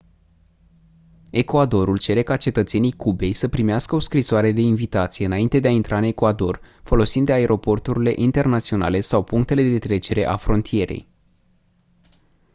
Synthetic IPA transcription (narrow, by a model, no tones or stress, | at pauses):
e̞koad̪o̞ɾult͡ʃe̞ɾe̞kat͡ʃe̞t̪ət̪se̞nijkube̞jsəpɾimeaskəo̞skɾisoaɾe̞d̪e̞invit̪at̪sijeɨnaint̪e̞d̪eaint̪ɾʔaɨne̞kuad̪o̞rfo̞lo̞sind̪eae̞ɾʔo̞po̞rt̪uɾile̞ʔint̪e̞rnat̪sio̞na̰le̞sawpuŋk̚t̪e̞le̞d̪̞d̪e̞t̪ɾe̞t͡ʃe̞ɾe̞ʔafɾo̞nt̪ʰije̞ɾe̞̰j